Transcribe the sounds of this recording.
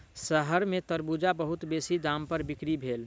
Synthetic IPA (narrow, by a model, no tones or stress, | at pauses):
səɦəɾmẽt̪əɾbuːd͡ʒabəɦʊt̪beːsid̪ãːmpəɾbɪkɾibʱeːl